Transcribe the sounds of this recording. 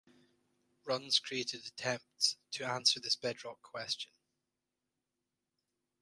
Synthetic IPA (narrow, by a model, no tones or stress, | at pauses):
ɹʌ̃nz̥kʰɹ̥ieʔɪdətʰɛ̃mp̚tstʰəãnsə˞ðɪsb̥ɛdɹɔkʰw̥ɛst͡ʃə̃n